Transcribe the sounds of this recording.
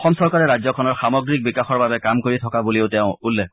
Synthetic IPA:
ɔxɔmsɔɹkaɹɛɹazɔkʰɔnɔɹxamɔɡɹik̚bikaxɔɹbabɛkamkoɹitʰɔkabuliʊtɛʊ̃ulːɛ

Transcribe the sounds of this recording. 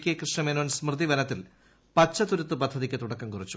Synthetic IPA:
kʲːiɐkrɨʂɳɐmeːnoːnsmrɨd̪iʋɐnɐt̪ːil | pɐt͡ɕːɐt̪uɾut̪ːɨpɐd̪ʱːɐðikʲːɨt̪uɽɐkːɐmkurit͡ɕːu̥

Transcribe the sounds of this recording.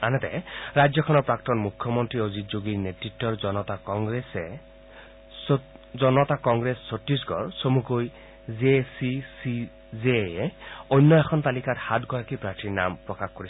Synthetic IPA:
anɛtɛ̰ɹajdzɔkʰɔnɔɹpɹak̚tɔnmukʰːɔmɔntɹiozitd͡ʒoɡiɹnetɹitːɔɹzɔnɔtakɔŋɡɹesɛ | zɔnɔtakɔŋɡɹesːotɹis̬ɡɔ̰ɹsomukoj | zesisi | zejɛojnːɔɛxʰɔnt̪alikathatɡɔɹakipɹaɹtiɹna̰mpɹɔkaxkoɹis

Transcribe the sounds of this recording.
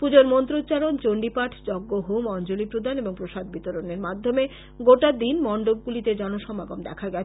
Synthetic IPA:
pud͡ʑoɾmont̪ɾot͡ɕaɾont͡ɕoɳɖipaʈʰd͡ʑɔɡːoɦumɔnt͡ɕolipɾod̪ʱaneboŋpɾoʃad̪̚bit̪oɾoneɾmad̪ʱːome | ɡoʈad̪inmɔɳɖob̚ɡulit̪ed͡ʑɔnoʃɔmaɡomd̪ɛ̰kʰaɡɛt͡ɕʰ

